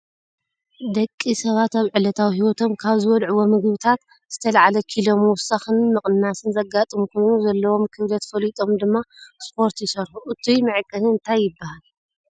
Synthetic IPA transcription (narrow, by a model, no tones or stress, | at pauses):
d̪ɐkʼːisɐβat̪aβʕɨlɐt̪ʰawɦiwɔt̪ʰo̞mkʰaβzɨwɔlʕuwomɨɡβɨt̪ʰat̪ | z̥ɨt̪ʰɐlaʕalɐkʰilo̞mwʊsaxɨnmɨχʼɨnːasɨnzɐɡat̪ʼɨmukʰo̞jnuzɐlːɐwo̞mkʰɨβlɐt̪fɐlit̪ʼo̞md̪ɨmːaspʰo̞ɾt̪jɪsɐɾħuʔɨt̪ʰujmɨʕkʼːɐnɨɨnt̪ʰajːɪbːahal